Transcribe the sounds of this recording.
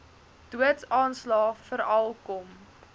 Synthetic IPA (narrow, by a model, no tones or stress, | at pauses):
d̥uətsɑːnslɑːfəɾɐlˠkɔm